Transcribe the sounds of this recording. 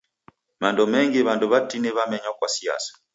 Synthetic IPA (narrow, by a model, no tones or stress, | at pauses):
mandɔmɛŋɡɛβandɔβatinɛβamɛɲwakwasia̰sḁ